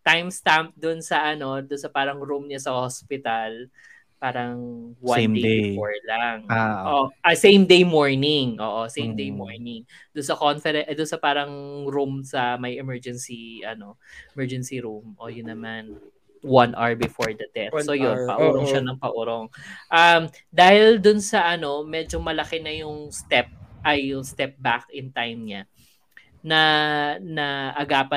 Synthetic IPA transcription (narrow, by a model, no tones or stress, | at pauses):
t̪ajmst̪amp̚d̪ʊnsɐʔɐno̞d̪ʊnsɐpaːɾɐŋɾumɲasɐhospɪt̪ɐl | paːɾɐŋwanebɪfoɹlaŋʔoʔɐsẽjmd̪ejmoɹnɪŋʔo̰ːʔosẽjmd̪ejmoɹnɪŋd̪ʊnsɐkonfɛɾɛʔd̪ʊnsɐpaːɾɐŋɾumsɐmɐjɛmɛɹd͡ʒɛnsiʔɐno̞ʔɛmɛɹd͡ʒɛnsiɾumʔojʊnːɐman | wɐnʔɐɹbɪfoɹd̪ɐt̪ɛstsojonpɐʔuɾoŋʃanɐŋpɐʔʊɾoŋʔɐm | d̪aːhɪld̪ʊnsɐʔɐno̞mɛd͡ʒomɐlɐkɛnɐjʊŋst̪ɛp̚ʔɐjːʊŋst̪ɛp̚bak̚ɪnt̪ajmɲa | nɐnɐʔɐɡaːpɐ